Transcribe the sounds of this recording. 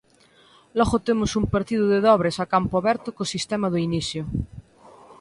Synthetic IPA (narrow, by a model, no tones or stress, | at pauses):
lɔɣot̪emosumpeɾt̪iðuðeðɔβɾesakampoaβɛɾt̪okosist̪emaðoiniθjo